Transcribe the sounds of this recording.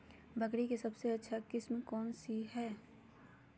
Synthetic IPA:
bʱɐkɽikesɐbseɐtːʃʰakɪsmẽkɔːnsiɦɛː

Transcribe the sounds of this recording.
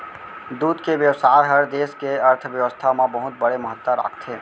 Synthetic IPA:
d̪uːd̪keʋjəwsaːɾɦəɾd̪eːskeəɾt̪ʰʋjəʋəst̪ʰamẽbəɦʊt̪̚bəɽeməɦət̪ːəɾa̰ːkʰt̪ʰeː

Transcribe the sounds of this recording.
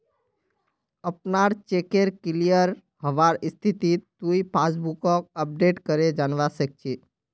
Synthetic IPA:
əpnaɾt͡ʃekeɾkilijəɾ | həʋaɾist̪ʰit̪it̪ːuipʰas̬bukɔk̚əp̚ɖeʈkəɾed͡ʒanʋasək̚t͡ʃʰi

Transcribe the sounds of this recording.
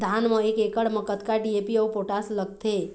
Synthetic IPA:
d̪ʱanməekekəɽməkət̪kaɖiepiəwpoʈasləɡ̚t̪ʰe

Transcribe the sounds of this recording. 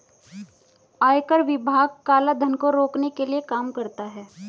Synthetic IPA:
aːjkəɾʋɪbʱaːɡ̚kaːlad̪ʱɐnkoɾoːknekeliekaːmkɐɾt̪aɦɛː

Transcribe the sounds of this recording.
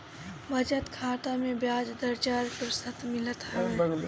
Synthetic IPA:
bʱɐd͡ʒət̪kʰaːt̪amẽbjaːd͡ʒd̪əɾt͡ʃaːɾkəɾsət̪mɪlət̪ɦ

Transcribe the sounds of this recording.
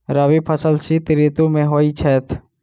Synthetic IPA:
ɾəʋipʰəsəlsit̪ɾit̪umẽɦoːit͡ʃʰɛːt̪ʰ

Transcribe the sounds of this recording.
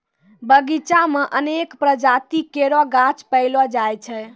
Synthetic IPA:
bəɡit͡ʃameʔənekpɾəd͡ʒat̪ikeɾɔɡat͡ʃpəɪlɔd͡ʒajt͡ʃʰɛ

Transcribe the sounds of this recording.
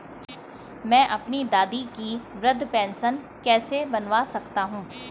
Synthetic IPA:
mɛ̃ːʔɐpnid̪aːd̪ikiʋɾɐd̪ʱpɛ̃ːnsən | kɛːsebɐnʋasɐkt̪aɦũː

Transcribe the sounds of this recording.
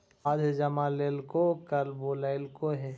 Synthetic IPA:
ad̪ʱd͡ʒəmaleːlkokəɾboːlaɪlkoɦɛ

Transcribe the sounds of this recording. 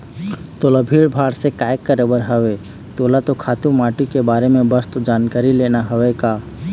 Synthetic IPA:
t̪oːlabʱiːɭbʱaːɽsekaːjəkːəɾəbəɾɦəʋe | t̪oːlat̪okʰaːt̪umaːʈikebaːɾemẽbəst̪od͡ʒaːnkaːɾileːnaɦɐʋekaː

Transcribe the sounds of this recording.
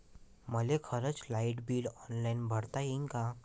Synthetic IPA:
məlekʰəɾət͡slaiʈbiːlɔnlainbʱəɽt̪ajeŋka

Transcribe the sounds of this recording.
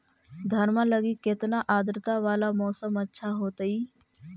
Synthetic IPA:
d̪ʱəɾmaləɡikɪt̪naʔaːd̪ɾɪt̪aʋaːlamɔːsəmətːʃʰaɦoːt̪iː

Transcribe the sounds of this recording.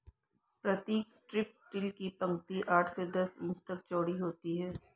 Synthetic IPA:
pɾɐt̪iːksʈɾɪp̚ʈɪlkipɐ̃ŋkt̪iʔaːʈʰsed̪ɐsɪ̃ːt͡ʃt̪ɐk̚t͡ʃɔːɽiɦoːt̪iɦɛː

